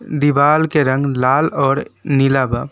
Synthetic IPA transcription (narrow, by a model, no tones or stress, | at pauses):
d̪iʋaːlkeɾə̃ŋɡlaːlɔːɾnilaba